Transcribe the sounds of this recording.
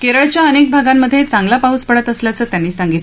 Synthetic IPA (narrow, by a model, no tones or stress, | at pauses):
keɾəɭt͡ɕjaənek̚bʱaɡamːəd̪ʱjet͡saŋɡlapauspəɽət̪əsljat͡səːt̪janːiːsaŋɡit̪